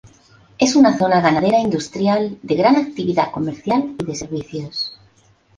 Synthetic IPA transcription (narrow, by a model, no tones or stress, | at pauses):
e̞sunaθo̞naɣanaðe̞ɾaind̪ust̪ɾjald̪e̞ɣɾanak̚t̪iβiðako̞me̞ɾθjaliðe̞se̞ɾβiθjos